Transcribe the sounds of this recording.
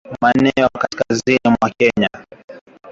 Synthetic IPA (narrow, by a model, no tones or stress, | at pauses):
manɛɔkaskazinimwakɛɲa